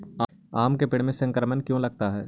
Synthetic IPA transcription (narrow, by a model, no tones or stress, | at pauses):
aːmkepɪɽ̤mẽsɐ̃ŋkəɾmənkjõlɐɡ̚t̪aɦɛː